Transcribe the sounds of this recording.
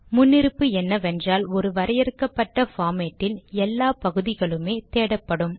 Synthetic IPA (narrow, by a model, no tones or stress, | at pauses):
mʊnːɪɾɯpːɯɛnːɐʋɛndraːlɔɾɯʋɐɾɐjɛɾɯkːɐpːɐʈːɐfaːmeːʈːɪlɛlːaːpɐɣɯðɪɣɐɭɯmeːt̪eːɽɐpːɐɽɯm